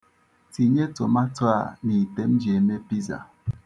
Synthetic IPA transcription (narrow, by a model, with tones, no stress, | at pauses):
ti˨ɲe˦to˨ma˦twa̰˦˨ni˨te˦m˦d͡ʒe˨me˦pi˦za̰˨